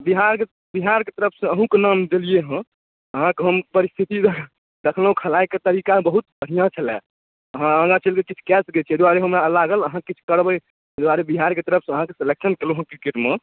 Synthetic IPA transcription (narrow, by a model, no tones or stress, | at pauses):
biɦaɾke | biɦaɾket̪əɾəpʰsə̃əɦũkenamd͡ʒelijeɦə̃ | əɦãkɦəmpəɾist̪ʰit̪id̪ | d̪ekʰləɦũkʰəlajket̪əɾikabəɦut̪̚bʱəɽijãt͡ʃʰəlɛ̰̃ | əɦãə̃ɡãt͡ʃʰəlkekit͡ʃʰu̥kɛsɡet͡ʃʰed̪waɾeɦəmɾalaɡələɦãkːit͡ʃʰu̥kəɾbəj | d̪waɾebiɦaɾket̪əɾəpʰsə̃əɦãkeseleksənkeluɦə̃kiɾkeʈme